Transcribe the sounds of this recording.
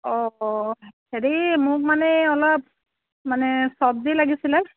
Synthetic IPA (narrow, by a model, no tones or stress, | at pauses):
ɔ | heɹimʊk̚manɛɔlɔp̚ | manɛsɔb̚dilaɡisilɛ